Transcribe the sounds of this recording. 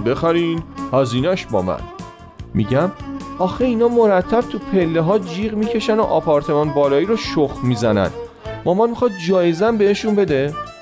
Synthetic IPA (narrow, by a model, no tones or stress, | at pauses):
bexæɾiːnhɒziːnæʃbɒ̰ːmæ̰n | mḭɟæmɒːxeiːnɒːmoɾæt̪ʰːæb̥̚t̪ʰupʰe̞lːeɦɒːd͡ʒiːʁmiːcʰe̞ʃæno̞̰ʔɒpʰɒːɾt̪ʰe̞mɒnbɒːlɒːiːɾoʃoxmizænæ̰n | mɒmɒnmixɒːd̪̚d͡ʒɒːjezænbeeʃunbe̞d̪e